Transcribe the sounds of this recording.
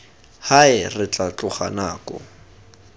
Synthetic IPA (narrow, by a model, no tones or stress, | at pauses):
haɪrɪt͡ɬat͡ɬʼʊχa̰naːkɔ̰